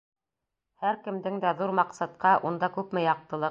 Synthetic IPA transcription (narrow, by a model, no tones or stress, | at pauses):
hæɾkɘ̆md̪ɘŋd̪æðuɾmɑqsɑt̪̚qɑʔund̪ɑkʉpmɘjɑq̚t̪ɤ̆lˠɤ